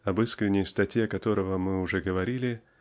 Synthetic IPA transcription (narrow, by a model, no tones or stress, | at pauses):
ɐbɨskɾʲɪnʲːɪjst̪ɐtʲjeɐkɐt̪o̞ɾəvəmɨʊʐɛɡəvɐɾʲilʲɪ